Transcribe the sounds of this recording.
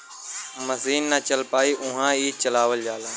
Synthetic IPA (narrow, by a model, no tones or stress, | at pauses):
mɐziːnːət͡ʃəlpaːiʔʊ̃ɦãiːt͡ʃəlaːʋəld͡ʒaːlãː